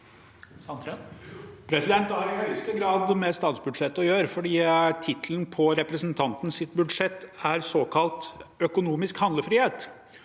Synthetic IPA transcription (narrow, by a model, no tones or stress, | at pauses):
pʰɾɛsɪd̪ɛnt̪æɾɪhœʏst̪əɡɾɑːd̪mɛst̪ɑːt̪sbʉd̪ʂɛt̪ːɔjøːɾfɔɖiːt̪ʰɪt̪ʰlən̩pʰɔɾɛpɾɛsnt̪ʰɑnt̪n̩sɪt̪bʉd̪ʂɛt̪ːæɾsoːkʰɑlt̪œkʊnuːmɪskhɑnd̪ləfɾiːheːt̪